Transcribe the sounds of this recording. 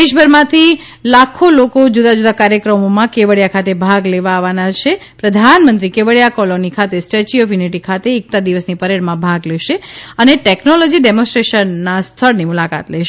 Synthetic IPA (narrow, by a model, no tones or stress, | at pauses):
deʃbʱəɾmãt̪ʰi | lakʰolokod͡ʒud̪ad͡ʒud̪akaɾjəkɾəmomãkeʋəɽjakʰat̪ebʱaɡleʋaːʋanat͡ʃʰepɾəd̪ʱanmə̃nt̪ɾikeʋəɭjakɔlonikʰat̪esʈət͡ʃiɔfjuniʈikʰat̪eːk̚t̪ad̪iʋəsnipəɾeɽmãbʱaɡlɛʃeəneʈeknɔlɔd͡ʒiɖɛmõsʈɾeʃənːast̪ʰəɭnimulaka̰t̪lɛʃe